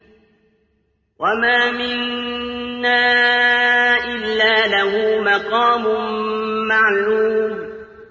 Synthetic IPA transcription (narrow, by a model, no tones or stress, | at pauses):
wʔamaːmɪnː | aː | ʔɪlːaːlahuːmaqɑːmʊmːaʕluːm